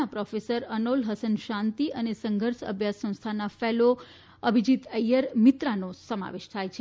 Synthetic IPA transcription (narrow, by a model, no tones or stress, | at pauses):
apɾɔfesəɾənolɦəsənʃãnt̪iʔənesəŋɡʱəɾʃə̰bʱjasːə̃w̃st̪ʰanafɛlo | əbʱid͡ʒit̪əjəɾmit̪ɾanosəma̰ʋeʃt̪ʰajt͡ʃʰe